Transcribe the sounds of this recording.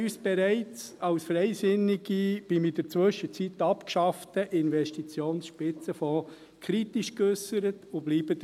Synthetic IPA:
yːsb̥ɛɾɛɪt͡sɑwsfrɛɪsɪnːiɡib̥imid̥ət͡sʋɵʃət͡sit̪ːɑpkʃɑftəʔɪnvɛʃtit͡sjoːnsʃpɪt͡səfɔ̃ː | kʰɾit̪iʃkøsəɾətʊbliːb̥əd

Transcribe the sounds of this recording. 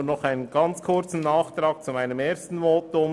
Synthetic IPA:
nɔχaɪnənɡ̥ɑnt͡skʰʊɾt͡sn̩ːɑːχt̪ɾɑːk̚t͡sumaɪnəmeːstn̩moːtʊm

